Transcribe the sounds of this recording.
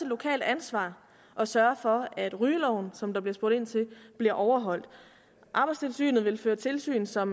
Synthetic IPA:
e̥lːo̝kʰɛ̰ːld̥ænsʋɑ̰̈ː | ʔɒ̽sɶɐfɒ̽æd̥ʁyːlɒʊ̰n̩sɒ̽md̥ɑ̈b̥liɐsb̥oːd̥e̝n̰t͡sʰe̝b̥liɐʔɒʊɐɦɒ̽l̰d̥ | ʔɑ̈b̥ɪst͡sʰe̝lsy̰ːnð̞̩ˠʋe̝lføːɐt͡sʰe̝lsy̰ːnsɒ̽m

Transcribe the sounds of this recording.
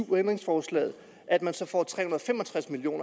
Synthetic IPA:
end̥ʁeŋsfɒːslɛ̰ːð̩ˠ | ʔæd̥mænsɒ̽fɒ̰ːt͡sʰʁɛ̰ːhunɐð̩ˠɒfemɒ̽t͡sʰʁasmilio̝̰ːnɐ

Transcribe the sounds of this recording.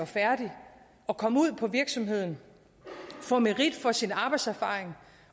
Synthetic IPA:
ɑfæɐd̥i | ɒ̽kʰɒ̽muð̞̰ˠpʰɒ̽ʋiɐɡ̥sɒ̽mɦe̝ð̞̰ˠn̩ | fɒmeʁid̥fɒ̽sinɑ̈b̥ɑ̈ɪd̥sæɐfɑ̈ːeŋ

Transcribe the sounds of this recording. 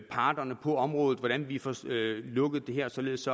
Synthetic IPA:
pʰɑ̈ːd̥ɐnəpʰɒ̽ɒ̽mʁɔ̽ːðð̩ˠʋɒɾ̥ænʋifɒlɔ̽ɡ̥əð̩ˠd̥e̝ɦeɐ̰sɒ̽le̝ð̞ˠsɒ̽

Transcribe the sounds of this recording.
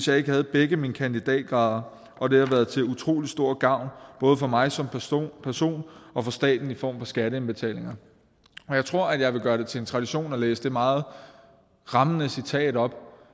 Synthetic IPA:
esjɑ̈ɪe̝ɡ̥əhæð̞̩ˠb̥eɡ̥əminəkʰænd̥id̥ɛ̰ːd̥̚ɡ̥ʁɑ̈ːð̞ˠɐ | ʔɒ̽d̥e̝hɑʋæɐð̩ˠt͡sʰe̝ut͡sʰʁo̝̰ːli̥sd̥o̝ɐ̰ɡ̥ɑ̈ʊ̰nb̥ɔ̽ːð̞ˠəfɒ̽mɑ̈ɪsɒ̽mpʰæɐso̝̰ːnɒ̽fɒ̽sd̥ɛ̰ːd̥n̩ifɒ̰ːmfɒ̽sɡ̥æɾ̥əenb̥e̝t͡sʰɛ̰ːle̝ŋɐ | ɒjɑ̈ɪt͡sʰʁo̝ɐ̰æd̥jɑ̈ɪʋe̝ɡ̥ɶːɐɾ̥e̝t͡sʰe̝le̝nt͡sʰʁɑ̈ɾ̥iɕo̝̰ːnɒ̽lḛːsəd̥e̝mɑ̈ːð̞̩ˠ | ʁɑ̈mənəsit͡sʰɛ̰ːɾ̥ɒ̽b̥

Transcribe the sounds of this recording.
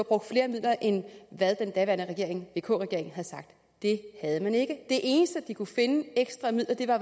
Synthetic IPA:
b̥ʁɔ̽ɡ̥d̥fle̝ːɐmið̞̰ˠlɐʔenʋæð̞ˠd̥end̥ɛʋæɐnəʁɛɡ̥e̝ɐ̰eŋʋe̝̰ːkʰɔ̰̽ːʁɛɡ̥e̝ɐ̰eŋ̩ɦæð̩ˠsɑ̈ɡ̥̚d̥ | d̥e̝hæð̞ˠəmæne̝ɡ̥əd̥e̝ʔe̝ːnəsd̥əd̥ikʰufe̝nəeɡ̥sd̥ʁɑ̈mið̰ˠlɐd̥e̝ʋɑ̈

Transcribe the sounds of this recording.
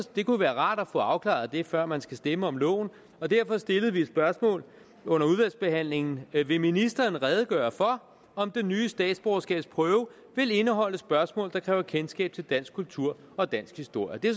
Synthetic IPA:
d̥e̝kuʋæːɐʁɑ̰̈ːd̥æfɔ̰̽ɑ̈ʊkʰlɑ̰̈ð̩ˠd̥e̝fɶɐ̰mænsɡ̥æsd̥eməɒ̽mlɔ̰̽ːʊ̰n̩ | ɒ̽d̥æɐ̰fɒ̽sd̥e̝ləð̞̩ˠʋied̥sb̥ɶɐsmɔ̰̽ːl | ɔ̽n̰ɐuð̞ˠʋælsb̥e̝ɦæn̰le̝ŋn̩ʋe̝minisd̥ɐn̩ʁɛð̞ˠɡ̥ɶːɐfɒ̽ | ɒ̽md̥e̝nyːəsd̥ɛ̰ːd̥sb̥ʁɒʊɐsɡ̥ɛ̰ːb̥spʰʁœːʊə | ʋe̝le̝nəɦɒ̽l̰əsb̥ɶɐsmɔ̰ːld̥ɑ̈kʰʁɛːʊɐkʰensɡ̥ɛ̰ːb̥̚t͡sʰe̝ld̥æn̰sɡ̥̚kult͡sʰuɐ̰ | ɒ̽d̥æn̰sɡ̥hisd̥o̝ɐ̰jəd̥e̝

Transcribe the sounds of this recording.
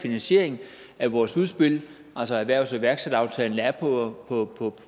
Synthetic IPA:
finænɕe̝̰ɐ̰e̝ŋ̩ | æʋɒːsuð̞ˠsb̥e̝l̰ | ælsɒæʋæɐ̰ʊsɒʋæɐɡ̥sed̥ɑ̈ʊt͡sʰɛ̰ːln̩æɐpʰɒpʰɒpʰɒ̽

